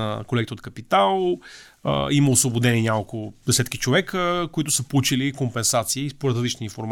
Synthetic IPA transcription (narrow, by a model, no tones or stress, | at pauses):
ə̰kolɛkt̪əot̪̚kəpit̪al̰ˠ | iməosvˠobod̪ɛniɛnʲakəlˠkʊd̪ɛsɛt̪k̟i̥t͡ʃovɛkəkoit̪ʊ̥səpout͡ʃilikompɛnsat̪siːspoɾɛt̪ɾzlit͡ʃniinfoɾm